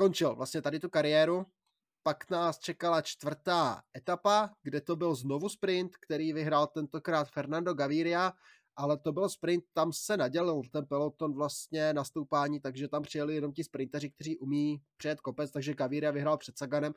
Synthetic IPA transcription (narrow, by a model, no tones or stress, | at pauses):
sko̞nt͡ʃɪlvlʔast̪ɲɛt̪adɪt̪ukaɾɪjɛːɾu | paknaːst͡ʃɛkalat͡ʃt̪vr̩t̪aːʔɛt̪apaɡdɛt̪o̞bɪlzno̞vuspɾɪnt̪kt̪ɛɾiːvɪɦɾaːlt̪ɛnt̪o̞kɾaːt̪fɛɾnando̞ɡaviːɾɪa | ʔalɛt̪o̞bɪlspɾɪnt̪̚ːamsɛnaɟɛlɪlt̪ɛnpɛlot̪o̞nvlast̪ɲɛnast̪owpaːɲiːt̪aɡʒɛt̪ampr̥ɪjɛlɪjɛno̞mcɪspɾɪnt̪ɛrɪk̚t̪ɛr̝iːʔumiːpr̥ɪjɛt̪̚ko̞pɛt͡st̪aɡʒɛɡaviːɾɪjavɪɦɾaːlpr̥ɛt̪saɡanɛm